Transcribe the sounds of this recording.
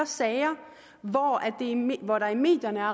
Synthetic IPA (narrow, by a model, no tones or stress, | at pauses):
ɐsɛːɐ | ʋɒæd̥e̝ʋɒɾ̥ɑ̈ime̝̰ːd̥jɐnəæɐ